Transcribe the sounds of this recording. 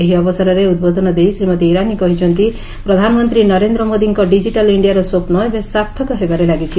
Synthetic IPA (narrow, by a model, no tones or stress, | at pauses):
eɦiɔbɔsaɾɔɾeud̪bod̪ʱɔnɔd̪ejsɾimɔt̪iiɾanikɔɦit͡ʃʰɔnt̪i | pɾɔd̪ʱanɔmɔnt̪ɾinɔɾend̪ɾɔmod̪iŋkɔɖid͡ʒiʈaliɳɖijaɾɔsopnɔebesapt̪ʰɔkɔɦebaɾelaɡit͡ʃʰi